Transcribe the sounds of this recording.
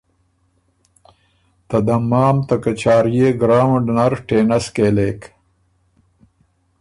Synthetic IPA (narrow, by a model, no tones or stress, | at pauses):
t̪ɐd̪ɐmaːmt̪ɐkɐt͡ɕaːɾjeːɡɾaːwɖnɐɾʈeːnɐskeːleːk